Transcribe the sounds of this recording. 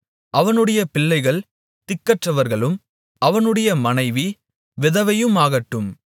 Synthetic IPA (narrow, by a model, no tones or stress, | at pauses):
ʔɐʋɐnɯɽɐjɐpɪɭːɐɪɣɐɭ | t̪ɪkːɐʈrɐʋɐɾɣɐɭɯm | ɐʋɐnɯɽɐjɐmɐnɐɪʋi | ʋɪðɐʋɐjɯmaːɣɐʈːɯm